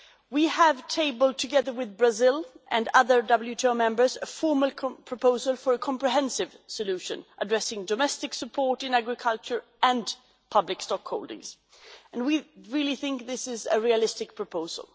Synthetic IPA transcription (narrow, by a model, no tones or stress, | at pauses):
wiəv̥tʰeɪbəl̩ˠd̚tʰɨɡɛðə˞wɪðbɹəzɪlˠʔɨ̃nʌðə˞dʌbl̩ˠjʉtʰoʊmɛ̃mbə˞zɨfɔɹməl̩ˠkʰpʰɹ̥ɔpoʊzəlˠfə˞ɨkʰɑ̃mpɹɨɦɛ̃nsɨv̥sɨlʉʃɨ̰̃nʔədɹɛsɪ̃ŋdɔmɛstɨksɨpʰɔɹɾɨ̃næɡɹɨkʰʌlˠt͡ʃə˞ | ɨ̃n | pʰʌblɨkstɔkhoʊlˠdɪ̰̃ŋz̥ | ɨ̃nwiɹɪlˠiθɪ̃ŋk̚ðɪsɪzɨɹiɨlɪstɨk̚pʰɹ̥ɔpʰoʊz̥ə̰l̩ˠ